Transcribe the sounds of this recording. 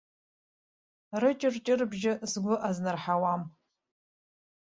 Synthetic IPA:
rɨt͡ʃʼɪrt͡ʃʼɪrbʒɪzɡʷʊʔaznɨrħawam

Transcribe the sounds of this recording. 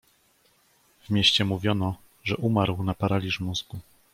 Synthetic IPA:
vmʲeɕt͡ɕɛmuvʲjɔnɔ | ʐɛʔumaɾwnapaɾalʲiʐmuzɡu

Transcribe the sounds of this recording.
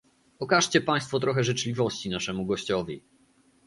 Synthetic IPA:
ɔkaʂt͡ɕɛpaj̃st̪fɔt̪ɾɔxɛʐɘt͡ʂlʲivɔɕt͡ɕinaʂɛmuɡɔɕt͡ɕɔvʲḭ

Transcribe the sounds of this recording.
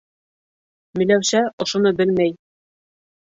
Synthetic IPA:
mɘ̆jlæwɕæʔŏʃŏnɤbɘlmæj

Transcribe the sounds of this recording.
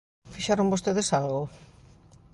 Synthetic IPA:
fiʃaɾõmbost̪eðesalɣʊ

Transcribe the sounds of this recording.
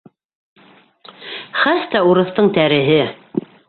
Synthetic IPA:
χæθt̪æuɾɤ̆θt̪ɤɴt̪æɾɘ̆ɦɘ

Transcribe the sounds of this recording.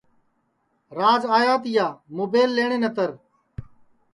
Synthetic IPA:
ɾaːd͡ʒaːjaːt̪ɪjaːmoːbeːlːeːɳeːnət̪əɾ

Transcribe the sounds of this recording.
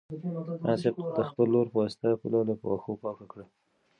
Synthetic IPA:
ʔɑsɪb̚d̪əxpəlːoɾpəwɑsɪ̥t̪apəlɑlapwaxopɑkakɽa

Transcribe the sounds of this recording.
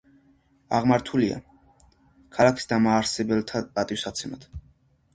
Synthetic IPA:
aʁmaɾt̪ʰulia̰ | kʰalˠakʰi̥sd̪amaːɾsɛbɛlˠt̪ʰat̪ʼat̪ʼiwsat̪sʰɛmat̪

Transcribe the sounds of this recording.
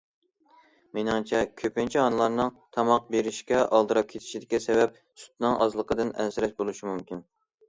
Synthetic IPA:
menɪŋt͡ʃʰɛkʲʰøpɪnt͡ʃʰiɑnɨlˠɑɾnɨŋt̪ʰɑmɑq̚beɾɪʃkʲɛʔɑlˠd̪ɨɾɑp̚kʲʰet̪ʰɪ̥ʃid̪ɪkʲːɛsɛvɛp̚ | su̥t̪̚nɨŋʔɑ̰zlˠəqʰəd̪ɨnɛ̰nsɪɾɛʃbolˠuʃimumkʲin

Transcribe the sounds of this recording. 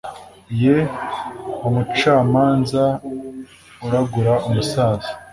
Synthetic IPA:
je | womut͡ʃaːmaːnza | uɾaɡuɾaumusaːzo

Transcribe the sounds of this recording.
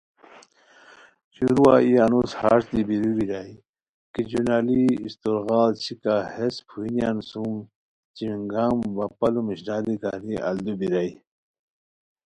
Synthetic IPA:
ɕuɾuaːiaːnushaːɾsd̪ibiɾubiɾai | kid͡ʑunaːliist̪oɾɣaːlt͡ɕʰikahespʰuinjaːnsum | t͡ɕimiŋɡaːmbɐpɐlumiɕdaːd̪ika̰niʔa̰ld̪ubiɾai

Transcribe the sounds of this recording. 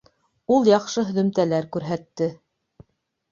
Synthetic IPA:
ulˠjɑqʃɤɦɵ̆ðɵ̆mt̪ælæɾkʉɾɦæt̪ːɘ

